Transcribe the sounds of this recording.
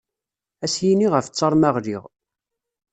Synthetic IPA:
æsjiniʁəft͡sːɑɾˤmaʁliʁ

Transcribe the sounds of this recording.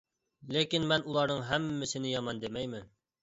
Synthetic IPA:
lekʲinmɛnulˠɑɾnɤŋɦæmːɪsɪnɪjɑmɑnd̪emɛjmɪn

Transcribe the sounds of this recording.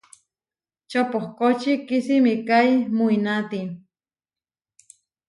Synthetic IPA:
t͡ʃopohkot͡ʃikisimikajmuinat̪i

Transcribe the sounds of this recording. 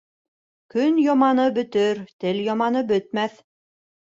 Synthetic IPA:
kɵnjɒmɑnɤbɵ̆t̪ɵɾt̪ɘljɑmɑnɤbɵ̆t̪̚mæθ

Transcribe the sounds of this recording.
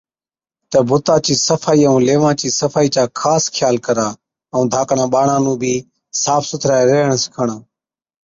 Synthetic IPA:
t̪əbʱʊt̪ãːt͡ʃiːsəfʰaːiːəũːleːʋãːt͡ʃiːsəfaːiːt͡ʃaːkʰaːskʰjaːlkəɾaː | əũːd̪ʱaːkɳãːɓaːɳãːnũːbʱiː | saːfsʊt̪ʰɾaːeɾeːəɳsɪ̥kʰəɳãː

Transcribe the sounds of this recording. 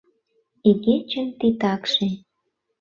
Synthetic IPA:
iɣet͡ɕə̆mt̪it̪ɑkʃe

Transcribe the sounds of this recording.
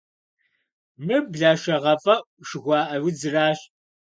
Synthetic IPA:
mɨbɮaːʂɐʁɐfʼɐʔʷʼ | ʃɨɣʷɑːʔɐwɪd͡zɨraːɕ

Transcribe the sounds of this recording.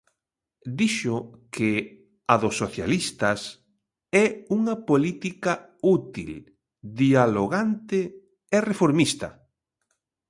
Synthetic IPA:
d̪iʃʊkʰɪ | aðʊsːoθja̰list̪ɐs | ɛuŋɐpolit̪ika | ut̪ḭl | d̪ialoɣant̪ɪ | erefoɾmist̪ɐ̰

